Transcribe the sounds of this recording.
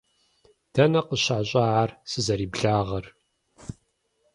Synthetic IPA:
d̥ɐnɐqəɕaːɕʼaʕarsɨzɐɾiːbɮaːʁɐr

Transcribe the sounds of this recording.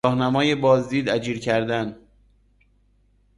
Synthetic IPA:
ɒːhnæmɒːjebɒːzd̪iːd̪æd͡ʒiːɾcʰæɾd̪æn

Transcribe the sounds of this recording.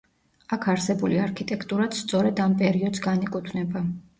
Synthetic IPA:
akʰaɾsɛbuliaɾkʰit̪ʼɛkʰt̪ʼuɾat̪st̪sʼɔɾɛd̪ampʼɛɾiɔd̪sɡanikʼut̪ʰwnɛba

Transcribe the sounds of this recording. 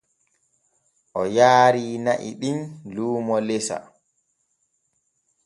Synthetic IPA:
ʔɔjaːɾiːnaʔḭɗinluːmɔlesa̰

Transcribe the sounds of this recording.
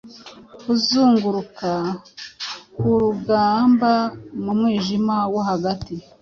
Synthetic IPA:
kuzuːŋɡuɾuka | kuɾuɡaːmbamumŋiːʒimawohaɡati

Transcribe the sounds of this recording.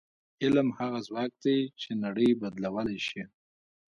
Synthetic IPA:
ɪlmhaɣazwɑk̚d̪et͡ʃenaɽəjbad̪lawəlajʃi

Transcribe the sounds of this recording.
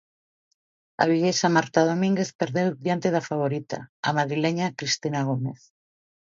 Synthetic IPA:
a̰β̞iʎesamaɾt̪að̞omĩŋɡeθpeɾðewðjant̪eðafaβ̞oɾit̪a̰a̰maðɾileɲakɾist̪inaɣ̞omeθ

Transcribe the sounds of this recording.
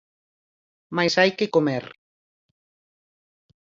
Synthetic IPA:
majsajkekomeɾ

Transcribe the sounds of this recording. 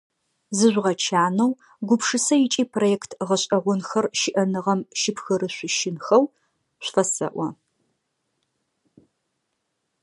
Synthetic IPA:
zɨʒʷʁɐt͡ʃʰaːnɐw | ɡʷʊpʂɨsɐjɪt͡ʃʼiːpʰrojɛːktʰʁɐɕʼɐʁʷʊnxɐrʃɪʔɐnɨʁɐmʃɪpxɨɾɨɕʷʊʃɪnxɐw | ɕʷfɐsɐ̰ʔʷɔ

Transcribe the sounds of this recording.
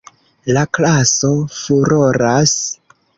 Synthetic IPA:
laklaso̞fuɾoɾas

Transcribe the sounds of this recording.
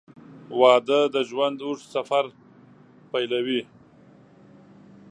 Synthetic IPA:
wɑːd̪əd̪əʒwand̪uʂsafaɾ | pajlawi

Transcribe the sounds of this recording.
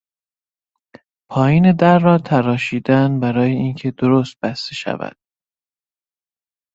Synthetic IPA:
pʰɒːjiːne̞d̪æɾːɒːt̪ʰæɾɒːʃiːd̪ænbæɾɒːjeincʰe̞d̪oɾoːst̪̚b̥æst̪e̞ʃæ̰væ̰d̪̥

